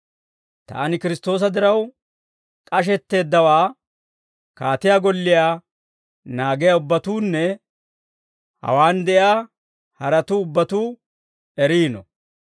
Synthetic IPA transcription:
t̪a̰ːnɪkɪɾɪst̪o̞ːs̬ɐd̪ɪɾɐw | kʼɐʃ̬ɛt̪ːe̞ːd̪ːɐwaː | kaːt̪ɪjaːɡɔlːɪjaː | naːɡɪjaʊbːɐt̪uːnːɛ | hɐ̰waːnd̪ɛʔjaː | hɐɾɐt̪uːʊbːɐt̪uː | ɛɾiːnɔ

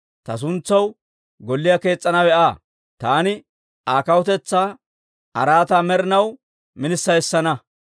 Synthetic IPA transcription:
t̪ɐs̬ʊnt͡sːɐw | ɡɔlːɪjake̞ːt͡sʼːɐnɐwɛʔaː | t̪aːnɪ | ʔaːkɐwɔt̪ɛt͡sːaː | ʔɐ̰ɾaːt̪aːmɛɾɪnɐw | mɪnɪsːɐjsːɐnɐ

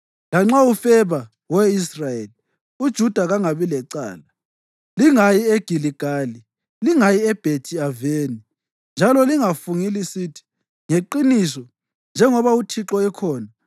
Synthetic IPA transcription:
laŋ͡ǁaufɛβa | wɛisrajeli | ud̥ʒ̥ʱud̥ʱaɣaŋaβilɛǀa̰ːla | liŋajieɡ̥ʱiliɡ̥ʱaːli | liŋajiɛb̥ʱetʰiaveːni | nd͡ʒʱalɔliŋafuŋilisiːtʰi̥ | ŋeǃinisɔ | nd͡ʒʱɛŋɔβautʰiǁɔɛkʰɔːna

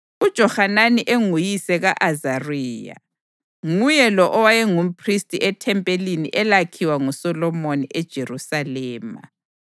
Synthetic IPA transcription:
ud̥ʒ̥ʱɔhananiʔeŋujisɛɣaʔazariːja̰ | ŋujɛlɔʔɔwajɛŋum̩pʰristʼiʔɛtʰɛmpʼelinḭʔɛlakʰiwaŋusɔlɔmoniʔɛd̥ʒ̥ʱerusalɛːma̰

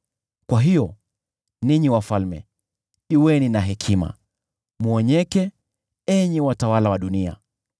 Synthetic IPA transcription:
kwaɦijɔ | niɲiwafalmɛ̰ | iwɛninaɦɛkʰima̰ | muɔɲɛkɛ | ɛɲɛwatawalawaɗunia̰

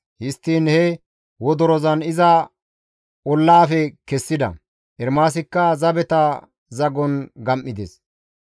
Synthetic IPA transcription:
hɪst̪ːiːnhɛ | wɔd̪ɔɾɔzɐnɪzɐ | ɔlːaːfɛkɛsːɪd̪ɐ̰ | ʔɛɾmaːs̬ɪkːɐzɐbɛt̪ɐ | zɐɡɔnɡɐmʔːɪd̪es

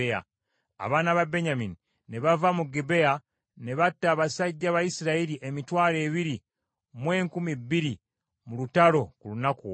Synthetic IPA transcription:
ea̰ | a̰βaːnaβabe̞ɲamini | ne̞βavamuɡebe̞a | ne̞βatːaβasaɟːaβajisiɾaiɾiʔemitwaːle̞ːβiɾi | mwe̞ːŋkumibːiɾi | mulutalo̞kulunaku

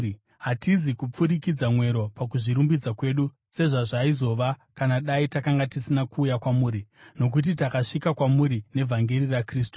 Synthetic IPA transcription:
ɦatizikup͡fuɾikid͡zamwe̞ɾo̞pak̬uʐiɾumbid͡zakwe̞ːɗu | se̞ʐaʐaizo̞ʋakanaɗaitakaŋɡatisinakuːjakwamuːɾino̞k̬ut̬itakaʂikakwamuɾine̞vʱaŋɡerirakriːstu̥

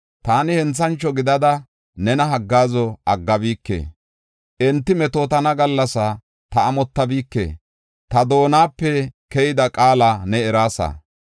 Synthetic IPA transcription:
t̪aːnɪhɛnt͡sːɐnt͡ʃːɔɡɪd̪ɐd̪ɐ | nɛnɐɦɐɡːaːzɔɐɡːɐbiːkːḛː | ʔɛnt̪ːɪmɛt̪oːt̪ɐnɐɡɐlːɐsɐ | t̪ɐːmɔt̪ːɐbiːkːḛː | t̪ɐd̪o̞ːnaːpːɛkɛjɪd̪ɐkʼaːlɐnɛɛɾaːsɐ̰

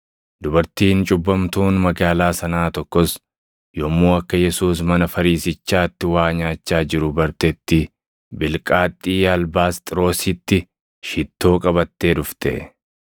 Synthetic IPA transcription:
d̪ʊbɐɾt̪iːnt͡ʃʼʊbːɐmt̪uːnmɐɡaːlaːsɐnaːt̪ɔkːɔs | jomːuːɐkːɐjɛsuːs̬mɐnɐfɐɾiːsɪt͡ʃːaːt̪ːɪwaːɲaːt͡ʃːaːd͡ʒɪɾʊbɐɾt̪ɛt̪ːɪ | bɪlkʼaːt̪ʼːiːjɐlbaːst̪ʼɪɾo̞ːsɪt̪ːɪ | ʃɪt̪ːo̞ːkʼɐbɐt̪ːe̞ːd̪ʊft̪ʰɛ̰

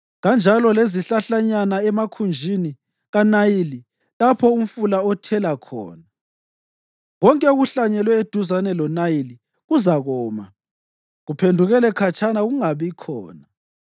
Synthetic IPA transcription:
ɣand͡ʒʱalɔleziɬaɬaɲanaɛmakʰund͡ʒʱini | ɣanajili | lapʰɔum̩fulaɔtʰɛlakʰɔ̰ːna | ɣɔŋkʼɛuɣuɬaɲɛlwɛed̥ʱuzanɛlɔnajili | ɣuzaɣɔːma̰ | ɣupʰendʱuɣɛlɛkʰat͡ʃʰanaɣuŋaβikʰɔ̰ːna

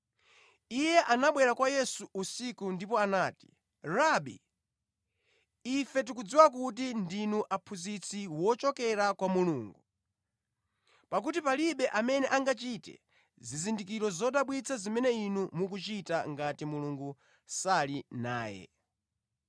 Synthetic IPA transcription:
ijɛʔanaɓwɛɾakwajɛsuusikundipɔanaːti̥ | ɾaɓḭ | fɛt̬ikud͡ziwak̬ut̬indinuʔapʰuzit͡sʰiwɔt͡ʃɔkɛɾakwamuluːŋɡu | pak̬ut̬ipaliɓɛʔamɛnɛʔaŋɡat͡ʃitɛ̰ | zizindik̬iɾɔzɔɗaɓwit͡sʰazimɛnɛinumuk̬ut͡ʃitaŋɡatimuluŋɡu | salinaːjɛ̰

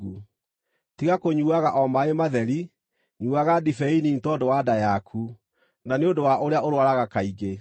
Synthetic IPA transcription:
u | tiɣakoɲuaɣaʔɔmaemaðɛɾi | ɲuaɣadifɛinintɔdowadajakʰu | naneodowaʔoɾeaoɾwaɾaɣakaiɡe

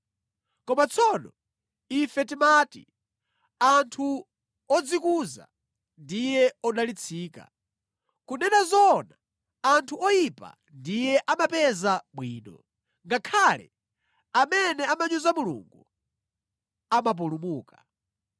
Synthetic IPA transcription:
kɔmat͡sʰɔnɔ | ifɛtimatḭ | antʰu | ɔd͡zikuza̰ | ndijɛɔɗalit͡sʰiːka̰ | kunɛnazɔna | antʰuɔjipa̰ | ndijɛʔamapɛzaɓwiːnɔ̰ | ŋɡakʰaːlɛ̰ | amɛnɛamaɲuzamulṵŋɡu | amap̬ulumuːka

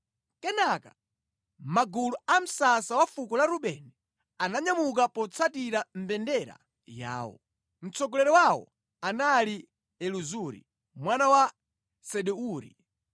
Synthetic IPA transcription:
kɛnaka | maɡuluam̩sasawafukɔlaɾuɓɛnɛ | anaɲamuk̬apɔt͡sʰatiɾam̩bɛndɛɾa̰ | ja̰ːwɔ̰ | m̩t͡sɔɡɔlɛɾɛwawɔ̰ | anali | ɛluzuɾḭ | mwanawa | sɛɗɛuːɾḭ

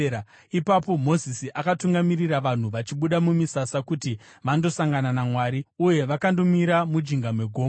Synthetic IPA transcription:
ipapo̞mo̞zisiʔakatuŋɡamiriraʋan̤uʋat͡ʃiɓuɗamumisasakuti | ʋando̞saŋɡananamwaːɾiuje̞ʋakando̞miɾamud͡ʒiŋɡamwe̞ɡʱoːm

